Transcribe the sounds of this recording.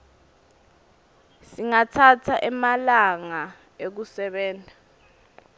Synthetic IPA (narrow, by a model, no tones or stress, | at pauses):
siŋatʰatʰaʔɛmalaŋa | ek̬usɛɓɛːndʱa